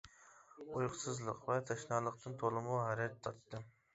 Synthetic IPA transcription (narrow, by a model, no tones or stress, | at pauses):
ujqʰʊsɨzlˠəqvɛt̪ʰɑʃnɑːlˠəq̚t̪ʰɨnt̪ʰolˠɨmuɦɛɾɛt̪ʰːɑt̪ːɨ